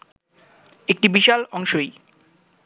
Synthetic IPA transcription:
ek̚ʈibiʃalɔŋʃoj

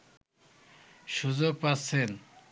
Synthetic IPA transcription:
ʃud͡ʑoɾpasen

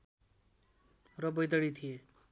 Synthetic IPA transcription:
rʌbʌjd̪ʌɽit̪ʰije

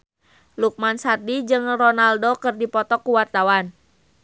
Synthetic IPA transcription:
luk̚mansardid͡ʒɨŋrɔnaldokɨrdipɔt̪ɔkuwart̪awan

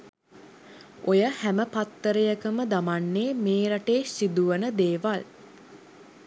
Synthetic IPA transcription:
ojəhæməpat̪ːəɾəjəkəməd̪amanːeːmeːɾaʈeːsid̪uʋənəd̪eːʋal

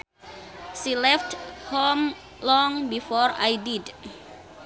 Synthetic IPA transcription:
ʃilɛfthom | lɔŋbifɔɾa̰jdid

